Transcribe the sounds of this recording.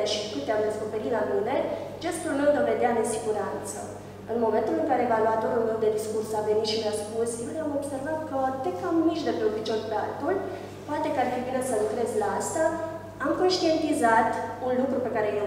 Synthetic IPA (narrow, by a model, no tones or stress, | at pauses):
eʃikɨt̪ːeamd̪e̞sko̞pe̞ɾit̪lanune̞d͡ʒe̞st̪ulme̞wd̪o̞ve̞d̪ead̪esiɡuɾant̪sə̰ | ɨnmo̞me̞nt̪ulɨŋkaɾeːvaluat̪o̞ɾulnɾewd̪e̞d̪iskursave̞nit̪ʃileaspusjjewnamo̞bse̞rvat̪kəd̪ekamːiʃd̪e̞peopit͡ʃonpea̰lt̪ul | poat̪e̞kəarfibine̞səlukɾe̞zlaast̪a | amko̞nʃt̪ie̞nt̪izat̪unlukɾupe̞kaɾe̞j